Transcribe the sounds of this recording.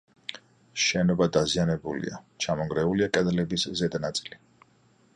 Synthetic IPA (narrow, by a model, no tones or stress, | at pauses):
ʃɛnɔbad̪azianɛbulḭa̰t͡ʃʰamɔŋɡɾɛuliakʼɛd̪lɛbiszɛd̪nat̪sʼili